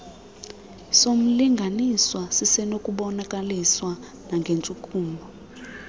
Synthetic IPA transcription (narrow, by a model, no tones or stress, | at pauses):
som̩liŋɡʱaniswasisɛnokʼuɓɔnakʼaliswa | naŋɡʱent͡ʃʼukʼuːmbʱɔ